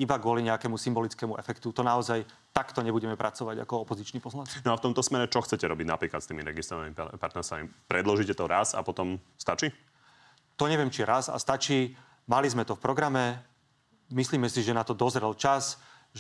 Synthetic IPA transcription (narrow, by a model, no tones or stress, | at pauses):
ibaɡʊɔliɲɛakɛːmusimbɔlit͡skɛːmuʔɛfɛkt̪ut̪ɔnaɔzaj | t̪akt̪ɔɲɛbuɟɛmɛpɾʔat͡sɔʋaɟa̰kɔɔpɔzit͡ʃnipɔzlannɔaft̪ɔmt̪ɔsmɛɾɛt͡ʃɔxtt͡sɛcɛɾɔbiɟna̰pɾiːklat̪st̪iːmiɾɛ̰ɡist̪ɾɔanimipaɾt̪nɛɾst̪amḭpɾɛd̪lɔʒicɛt̪ɔɾasa̰pɔt̪ɔmst̪at͡ʃiː | t̪ɔɲɛʋɪɛmt͡ʃiɾaza̰st̪at͡ʃiː | malizmɛt̪ɔfpɾɔɡɾamɛ | misliːmɛsiʒɛnat̪ɔd̪ɔzɾɛlt͡ʃas